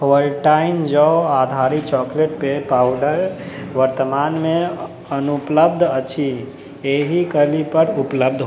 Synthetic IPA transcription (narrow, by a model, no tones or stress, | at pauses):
ɦolʈaind͡ʒəad̪ʱaɾit͡ʃɔkleʈ̚pepawɖəɾʋəɾt̪əmanme | ənupləb̚d̪ʱət͡ʃʰi | eɦikəlipəɾupləbd̪ʱɦ